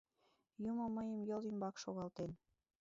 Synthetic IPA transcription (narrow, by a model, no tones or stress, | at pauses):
jumomːəjəmjɤ̆limbɑkʃoɣɑlt̪en